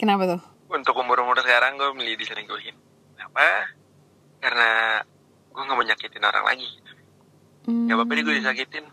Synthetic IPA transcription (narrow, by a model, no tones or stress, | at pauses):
kənapat̪ʊh | unt̪ʊkumʊɾumʊɾsə̥kaɾaŋɡuɛməliadisəɾɪŋɡuɦɪn | kənapa | karna | ɡuaŋaʔməɲakit̪ɪno̰ɾa̰ŋlʔa̰ɡiɡit̪u̥ | jabapaniɡuadis̬akit̪ɪn